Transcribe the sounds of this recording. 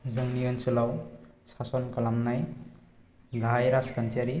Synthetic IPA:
zəŋnijont͡ʃulawsasɔnkɐlamnaj | ɡʱajɾaskant͡ʃaɾi

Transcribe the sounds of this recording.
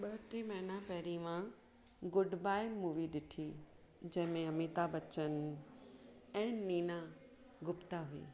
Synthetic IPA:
ɓɐɦʈ̪imɐɦɪnapɛɦɾimã | ɡʊɖbaːɪmuːʋiɗɪʈʰiː | d͡ʑɐ̃ɦɪ̃mẽɐmit̪abɐt͡ɕən̆ | ɛ̃ːniːna | ɡʊpt̪aɦuḭː

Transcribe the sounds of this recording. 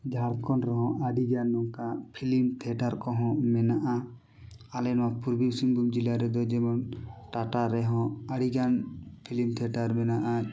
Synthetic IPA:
d͡ʒʱaɾkɔnɾɛɦɔ̃ʔaɖiɡanːɔŋkapʰilimt̪ʰɛʈaɾkɔɦɔ̃mɛnaʔa | alɛnmapuɾbisiŋbumd͡ʒilaɾɛd̪ɔd͡ʒɛmɔnʈaʈaɾɛɦɔ̃aɽiɡanpʰilimt̪ʰɛʈaɾmɛnaʔa

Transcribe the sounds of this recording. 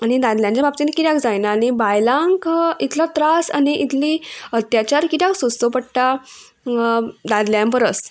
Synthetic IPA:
añid̪ad̪ljãnt͡ɕabap̚t͡ɕinkiɾjakd͡zajnaːɽibajlãŋkit̪ʰlat̪ɾasa̰niʔit̪ʰliːət̪jat͡ɕaɾkit̪jaksost̪opəɽʈ̪a | d̪ad̪ljampəɾəs

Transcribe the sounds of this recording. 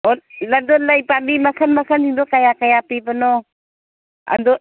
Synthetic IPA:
ɔladɔlajpabimakʰanmakʰandiŋdɔkajakajapipanɔ | a̰ndɔ

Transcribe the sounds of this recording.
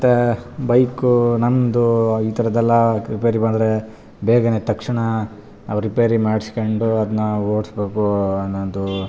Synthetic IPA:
mɐt̪ːebɐjkunɐmd̪uiːt̪ʰɐɾɐd̪ɛlːɐɾipejɐɾibɐnd̪ɾe | beːɡɐneːt̪ɐkʂɐɳɐ | naʋɾipeɐɾimaːɖskoɳɖuɐd̪ɐnːuoːɽsbe̞ːkuɐnːond̪u

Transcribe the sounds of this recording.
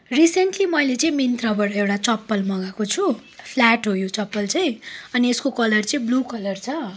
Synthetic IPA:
risenʈlimʌjlet͡sʌĩmint̪rabʌʈʌewʈat͡sʌpːʌlmʌɡakot͡sʰupʰlaʈɦojot͡sʌpːʌlt͡sʌj̃ʌnieskokʌlʌrt͡sʌĩblukʌlʌrt͡sʰʌ

